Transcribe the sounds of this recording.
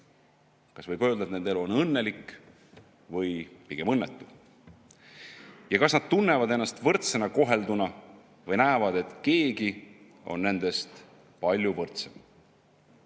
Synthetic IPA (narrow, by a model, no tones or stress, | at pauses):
kɑsvɤjkø̞ld̪̥ɑet̪ne̞nd̪e̞luonɤnːelikː | vɤjpiɡ̥e̞mɤnːet̪ːˑu | jɑkɑsnɑd̪̥̚t̪unːevɑd̪e̞nːɑst̪vɤrt̪senɑko̞ɦe̞ld̪unɑ | vɤjnæːvɑd̪̥e̞t̪ke̞ːɡi | o̞̰nne̞nd̪̥e̞st̪ | pɑlʲjuvɤrt̪sem